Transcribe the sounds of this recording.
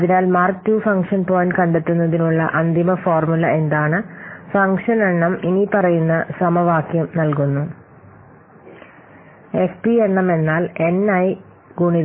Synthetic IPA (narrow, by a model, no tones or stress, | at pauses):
ɐðinaːlmaːrtːufɐŋkʂɐnpo̞ːjnkɐɳɖet̪ːunːɐðinuɭːɐ̰ʔɐnd̪ʱimɐfoːrmulɐe̞nd̪aːɳɨfɐŋkʂɐneɳːɐminipɐrɐjunːɐsɐmɐʋaːkjɐmnɐlkunːu | e̞fpieɳːɐme̞nːaːle̞nɐji | ɡuːɳið